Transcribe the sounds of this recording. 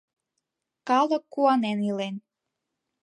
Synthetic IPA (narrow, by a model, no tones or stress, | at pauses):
kɑlɤ̆kːuɑnenilen